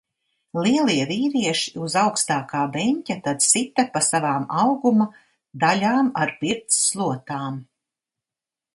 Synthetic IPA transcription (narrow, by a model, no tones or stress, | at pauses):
lˠiɛlˠiɛviːɾiɛʃi̥uzawkst̪aːkaːbɛɲʲcʲat̪ad̪sit̪apasavaːmawɡuma | d̪alʲaːmaɾpiɾt̪sːlˠuɔt̪aːm